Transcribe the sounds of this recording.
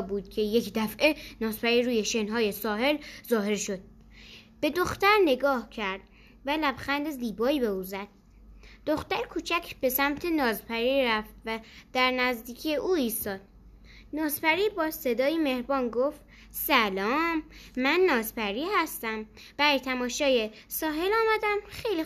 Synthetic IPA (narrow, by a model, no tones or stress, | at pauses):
buːd̪̥̚cʰe̞jekʰd̪æfʔenɒːzpæɾiɾuːjeʃenɦɒːje̞sɒːhe̞lzɒːɦe̞ɾʃo̞d̪̥̚ | b̥e̞d̪oxt̪æɾne̞ɡɒːhcʰæɾd̪̥ | vælæbxænd̪e̞ziːbɒːiːbe̞uːzæd̪̥̚ | d̪oxt̪æɾkʰuːt͡ʃʰæcʰb̥e̞sæmt̪ʰe̞nɒːzpʰæɾiɾæft̪væd̪̥æɾnæzd̪iːcʰijeʔuːiːst̪ɒːd̪̥̚ | nɒːzpæɾiːbɒːse̞d̪ɒːjeme̞hɾbɒːnɡoft̪ | sælɒːmːænːɒːzpæɾiːhæst̪æm | b̥æɾjt̪ʰæmɒːʃɒːje | sɒːɦe̞lɒːmæd̪æmxejli